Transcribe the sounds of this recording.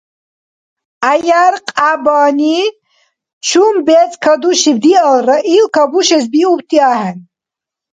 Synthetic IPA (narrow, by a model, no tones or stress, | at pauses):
ajaɾqʼabaːni | t͡ʃʰumbɛt͡sʼkʰad̪uʃibd̪ialraʔilkʰabuʃɛs̬biupt̪ʰʼiahɛn